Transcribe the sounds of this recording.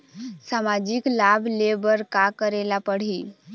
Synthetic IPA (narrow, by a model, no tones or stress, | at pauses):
samad͡ʑiklabʱlebəɾkakəɾelapəɽ̤iː